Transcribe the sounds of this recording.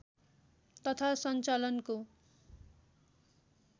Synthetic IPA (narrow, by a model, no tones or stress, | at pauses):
t̪ʌt̪ʰasʌnt͡salʌnko